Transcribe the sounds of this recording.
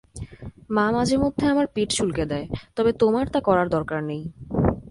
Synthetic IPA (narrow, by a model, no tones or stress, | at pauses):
mamad͡ʑʱeɾmod̪ʱːeamaɾpiʈʃulked̪ɛet̪ɔbet̪omaɾt̪akɔɾaɾd̪ɔɾkaɾnej